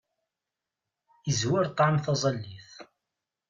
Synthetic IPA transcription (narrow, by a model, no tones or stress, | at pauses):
əzwɪɾt̪ˤːʕamθɑzˤɑlːiθ